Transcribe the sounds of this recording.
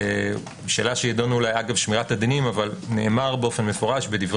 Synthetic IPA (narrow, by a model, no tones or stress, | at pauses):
ʃe̞ːlaʃejado̞nuulajaɡavʃmiʁatad̪inimavalne̞emaʁbeo̞fe̞nme̞fo̞ʁaʃbediv